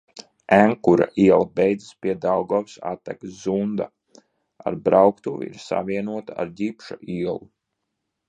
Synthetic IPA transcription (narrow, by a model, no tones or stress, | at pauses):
æŋkuɾa̰ʔiɛlˠabɛjd̪zispiɛd̪awɡɔwsa̰t̪ːɛkzund̪a̰ | a̰ɾbɾawkt̪uvḭḭɾsa̰vʲiɛnuɔt̪aa̰ɾdipʃaʔiɛlˠu